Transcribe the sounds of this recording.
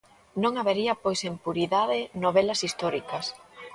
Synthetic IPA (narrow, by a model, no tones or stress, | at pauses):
nõŋaβeɾiɐpojsempuɾiðaðɪnoβ̞elɐsist̪ɔɾikɐs